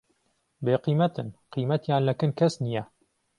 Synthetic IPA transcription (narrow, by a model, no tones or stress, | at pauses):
beːqiːmɐt̪ɨnqiːmɐt̪jaːnlɐkɨnkʰɐsnijɛ